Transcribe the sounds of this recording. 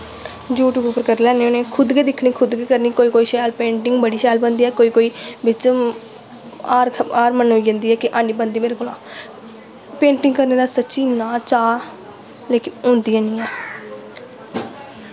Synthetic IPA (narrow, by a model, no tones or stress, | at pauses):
d͡ʒuːʈuːbʊpəɾkəɾlɛːneːoːneːkʰʊd̪ɡeːd̪ɪkʰɳiːkʰʊd̪ɡeːkəɾniːkoːiːkoːiːʃɛːlpẽːɳʈɪŋɡbəɽiːʃɛːlbənd̪iːɛːkoːiːkoːiːbɪt͡ʃ | aːɾaːɾmənɦoːiːd͡ʒãːnd̪iːɛːkɪʔãːniːbənd̪iːmeːɾeːkoːlãː | pẽːɳʈɪ̃ŋɡkəɾneːd̪aːsətːʃiːnãːt͡ʃaː | leːkɪnõːnd̪iːãːnĩːɛː